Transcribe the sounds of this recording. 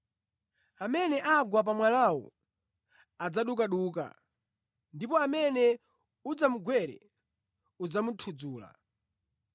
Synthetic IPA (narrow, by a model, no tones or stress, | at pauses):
amɛnɛʔaɡwap̬amwalawɔ̰ | ad͡zaɗukaɗuːka̰ | ndipɔamɛnɛ | ud͡zamuɡwɛɾɛ̰ | ud͡zamutʰud͡zuːla̰